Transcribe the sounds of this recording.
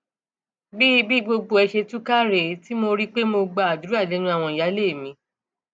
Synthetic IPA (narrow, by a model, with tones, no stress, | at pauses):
bi˦bi˦ɡ͡bo˧ɡ͡bo˧ɛ˧ʃe˧tũ˦ka˦ɾe˨˦ti˦mo˧ɾi˦k͡pe˦mo˧ɡ͡ba˧˨a˨du˨˦ɾa˦˨le˨˦ñũ˦a˦˨w̃ɔ̃˧i˨ja˨˦le˦˨mĩ˨˧˦